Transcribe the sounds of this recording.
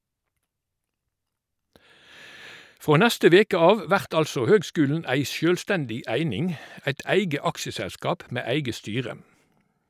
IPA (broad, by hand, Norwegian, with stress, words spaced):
ˈfʁoː ˈnɛstə ˈʋeːkə ˈɑːʋ ə ˈʋæʁt ˈɑlsɔ ˈhøːɡˌskʉːln̩ ˈæɪ ˈsjøːlˌstɛndɪ ˈæɪnɪŋ ˈæɪt ˈæɪɡə ˈɑkʃəsæˌskɑːp ˈmeː ˈæɪɡə ˈstyːʁə